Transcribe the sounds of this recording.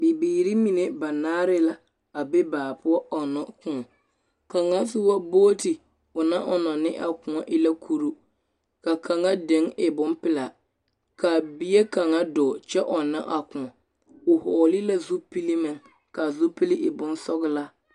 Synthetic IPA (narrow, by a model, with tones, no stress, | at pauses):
bi˨biː˨ɾi˦mi˨ne˨ba˨naː˦ɾɪ˦la˦ | a˨be˦baː˨pʊ˦ɔ˦ɔ˨nɔ˨kʊ̃˦ɔ˨ | ka˨ŋa˦sɪ˦wa˦boː˦tɪ˨ | ʊ˨na˦ʔɔ˨nɔ˨nɪ̰˦ʔa̰˨kʊ̃˨ɔ˨ʔɪ˦la˦kʰu˦ɾu˦ | ka˨kʰa˨ŋa˦de˨˦ŋɪ˨bʊ˦npɪ˦la˨ | ka˨bi˦je˦ka˨ŋa˦dɔː˨t͡ʃɛ˦ʔɔ˨nːa̰˦ʔa˨kʊ̃˨ɔ˨ | ʊ˨hɔː˨lɪ˦la˦zu˦pi˦li˦mɪ˦˨ŋ | ka˨zʊ˦pɪ˦lɪ˦ʔɪ˨bʊ˦nsɔ˦ɣɪ˦la˦